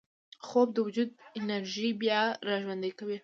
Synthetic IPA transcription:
xob̚d̪əwʊd͡ʒud̪ɪnaɾʒibjɑɾɑʒwand̪əkawi

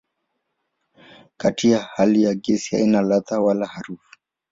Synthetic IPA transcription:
katiahalijaɡɛsiha̰inalat̪awalahaɾufu̥

